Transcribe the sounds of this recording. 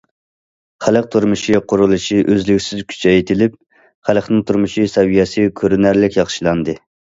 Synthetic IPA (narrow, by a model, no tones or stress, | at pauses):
χæləq̚t̪ʰuɾmuʃiqʰʊɾulˠɨʃiʔøzlykʲsɪzkʲʰy̥t͡ʃʰɛjt̪ʰɪlɪp̚ | χæləχnɨŋt̪ʰuɾmuʃisɛwijɛsɨkʲʰøɾynæɾlɪkʲjɑχʃilˠɑnd̪ɨ